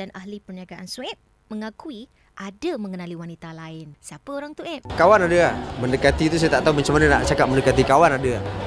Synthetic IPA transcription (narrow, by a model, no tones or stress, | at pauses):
dana̰hlipərniaɡaʔansuɛp̚ | məŋakui | ʔadaməŋənaliwanit̪alaɪnsiapəoɾaŋt̪uɛp̚kawanadaaməndəkat̪it̪us̬ajat̪aʔt̪aumant͡ʃəmanana̰ʔt͡ʃakap̚məndəkat̪ikawanadaa